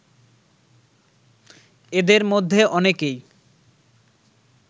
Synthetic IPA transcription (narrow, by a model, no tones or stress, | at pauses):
ed̪eɾmod̪ʱːeʔɔnekej